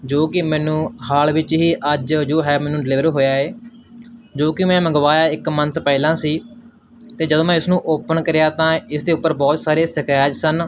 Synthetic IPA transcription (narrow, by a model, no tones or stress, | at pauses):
d͡ʒoːkɪmɛ̃ːnũːɦaːlʋɪt͡ʃɦiːʔəd͡ʒd͡ʒoːɦɛːmɛ̃ːnũːɖɪlɪʋəɾɦoːjaːeː | d͡ʒoːkɪmɛ̃ːməŋɡʋaːjaːɪkmənt̪ʰpɛːlãːsiː | t̪eːd͡ʒəd̪õːmɛ̃ːɪsnũːʔoːpənkəɾjaːt̪ãːɪsd̪eːʊpːəɾbɔːt̪saːɾeːsəkɛːd͡ʒsən